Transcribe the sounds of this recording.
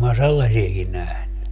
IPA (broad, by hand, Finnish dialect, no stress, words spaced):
mæ selːɑsieki næhny